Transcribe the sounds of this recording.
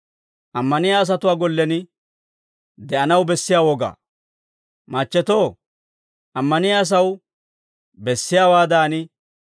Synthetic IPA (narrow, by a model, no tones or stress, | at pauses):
ʔɐmːɐnɪjaːs̬ɐt̪ʊwaːɡɔlːɛnɪ | d̪ɛʔɐnɐwbɛsːɪjaːwɔɡa̰ː | mɐt͡ʃːɛt̪oː | ʔɐmːɐnɪjaːs̬ɐw | bɛsːɪjaːwaːd̪aːnɪ